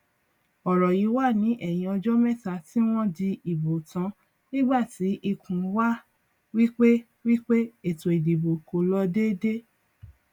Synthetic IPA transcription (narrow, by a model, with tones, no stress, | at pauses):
ɔ˨ɾɔ˨ji˨˦wa˦˨nĩ˨˦ʔɛ˦˨j̃ĩ˧ɔ˧d͡ʒɔ˦mɛ̃˦˨ta˧˨ti˦w̃ɔ̃˦di˧i˨bo˨tã˧˦ | nĩ˦ɡ͡ba˦˨ti˨˦ʔi˧kʰũ˨˦wa˦ | wi˦k͡pe˦ | wi˦k͡pe˦e˦˨to˨i˨di˨bo˨ko˨lɔ˧de˦de˦